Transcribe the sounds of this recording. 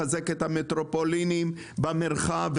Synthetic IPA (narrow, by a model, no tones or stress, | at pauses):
azeket̪hamet̪ɾopolinim | bameʁχav